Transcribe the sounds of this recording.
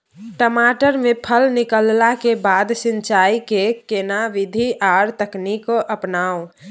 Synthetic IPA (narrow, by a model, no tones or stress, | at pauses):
ʈəmaʈəɾmepʰəlnikəllakebad̪sint͡ʃaikekenaʋid̪ʱiʔaɾt̪əknikoʔəpnao